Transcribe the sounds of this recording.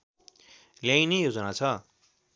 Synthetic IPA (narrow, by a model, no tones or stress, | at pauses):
ljajnejod͡zʌnat͡sʰʌ